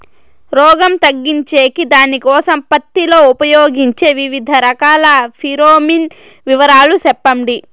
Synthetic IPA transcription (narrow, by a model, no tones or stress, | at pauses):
ɾɔːɡɐmt̪ɐɡːiɲt͡ʃe̞ːkid̪aːnikɔːsɐmpɐt̪ːilo̞ːupɐjoːɡiɲt͡ʃe̞ːʋiʋid̪ʱɐɾɐkaːlɐpʰiɾoːmin | ʋiʋɐɾaːlusɛpːɐmɖi